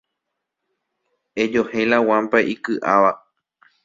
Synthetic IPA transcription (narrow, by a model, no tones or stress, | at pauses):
ed͡ʒohẽlawãmpaʔikɨʔaʋa